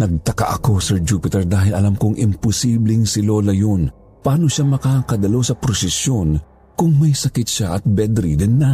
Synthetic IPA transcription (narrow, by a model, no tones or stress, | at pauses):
nɐɡ̚t̪ɐka̰ʔɐko̞sɛɹd͡ʒuːpɪt̪ɛɹd̪aːɦɪlɐlamkoŋʔɪmpʊsiːblɪŋsɪlo̞ːlɐjon | pɐʔaːno̞ʃamɐkakɐd̪ɐlowsɐpɾosɛsjo̞n | kʊŋmɐjsɐkɪt̪̚ʃaʔɐt̪̚bɛd̪ɾid̪ɪnːɐ